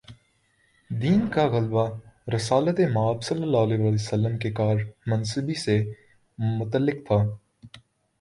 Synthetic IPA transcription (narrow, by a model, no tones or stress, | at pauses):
d̪iːnkaɣəlbaɾɪsaːlət̪emaːbsɐlːəlːaːɦleːʋaːlesəlːəmkekaːɾmɐnsəbise | mʊt̪əlːɪkt̪ʰaː